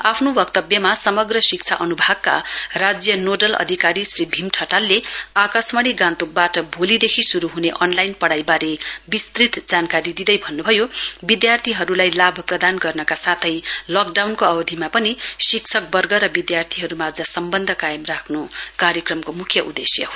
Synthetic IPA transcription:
apʰnobʌk̚t̪ʌbjʌmasʌmʌɡrʌsik̚t͡sʰaʔʌnubʱaɡ̚ka̰rad͡zjʌnoɖʌlʌ̰d̪ʱikaɾisribʱimʈʰʌʈalːeakasmʌɽ̃iɡãnt̪uk̚baʈʌbʱolid̪ekʰisuɾuɦuneʔʌnlajnpʌɽajbaɾebist̪rit̪d͡zankaɾid̪id̪ʌjbʱʌnːubʱʌjobid̪jart̪ʰiɦʌɾulajlabʱʌprʌd̪anɡʌrnʌkasat̪ʰʌjlʌk̚ɖawnkoʌbʌd̪ʱimapʌnisik̚t͡sʰʌk̚bʌrɡʌɾʌbid̪jart̪ʰiɦʌɾumad͡zʌsʌmbʌnd̪ʱʌkajemrakʰnukaɾjʌkrʌmkomukʰjʌʔud̪esjʌ̰

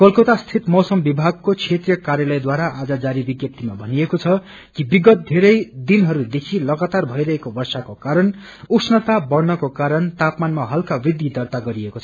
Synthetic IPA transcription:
kʌlkʌt̪ast̪ʰit̪mʌwsʌmbibʱaɡ̚kot͡sʰet̪rijʌkaɾjʌlʌjd̪waɾaʔad͡zʌd͡zaɾibiɡjʌt̪ːimabʱʌniekot͡sʰʌ | kibiɡʌt̪̚d̪ʱeɾʌjd̪inɦʌɾud̪ekʰilʌɡat̪arbʱʌjɾʌɦekobʌrsakokaɾʌn | uksʰnʌt̪abʌrnʌkokaɾʌnt̪apmanmaɦʌlkabid̪id̪ʌrt̪aɡʌɾiekot͡sʰʌ

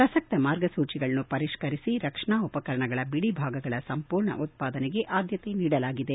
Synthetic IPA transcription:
pɾɐsɐk̚t̪ɐmaːɾɡɐsuːt͡ʃiɡɐɭɐnupɐɾiʂkɐɾisiɾɐkʂɐɳaːupɐkɐɾɐɳɐɡɐɭɐbiɽibʱaːɡɐɡɐɭɐsɐmpuːɾɳɐ̰ʔut̪̚paːd̪ɐneɡe̞ʔaːd̪jɐt̪eniːɽɐlaːɡid̪e

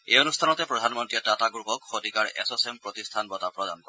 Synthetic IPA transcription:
ejonust̪ʰanɔt̪epɹɔd̪ʱanmɔntɹiɛtataɡɹupɔkxodʱikaɹḛsɔsempɹot̪ist̪ʰanbɔt̪apɹɔd̪a̰nkɔ

